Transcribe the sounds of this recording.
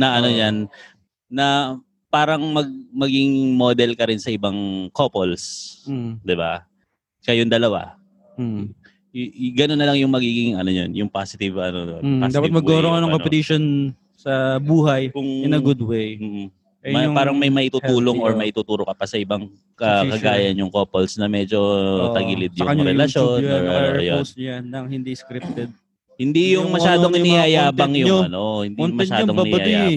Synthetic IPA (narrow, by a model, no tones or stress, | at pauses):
nɐʔɐno̞janː | ɐ | paːɾɐŋmɐɡ̚mɐɡɪŋmod̪ɛlkɐɾɪnsɐʔɪbaŋkopols | d̪ɪba̰ | kɐjond̪ɐlɐwa̰ | ɡɐnonːɐlɐŋjʊŋmɐɡiːɡɪŋʔɐ̰no̞ɲonjʊŋpasɪt̪ɪvɐnod̪ba̰ad̪aːpɐt̪mɐɡoɾoŋkɐnɐŋkopɛt̪iʃon | sɐbuːɦɐjkʊŋɪnɐɡʊd̪wejm̩ːʔ̩ | ʔɛmɐjpaːɾɐŋmɐjmɐʔɪt̪ut̪uːloŋoɹmɐʔɪt̪uːt̪uːɾokɐpɐsɐʔɪbɐŋ | kɐkɐɡaːjɐnjʊŋkopolsnɐmɛːd͡ʒo̞t̪ɐɡɪlɪd̪̚jɐʊɐɾɛlɐʃonjoosanːɐŋhɪnd̪iskɾɪp̚t̪ɛd̪̚ | hɪnd̪ijʊŋmɐʃaːd̪oŋɪnijɐjaːbɐŋjʊɐno̞hɪnd̪ionmɐɛʃɲaːd̪oŋbaɪɐaja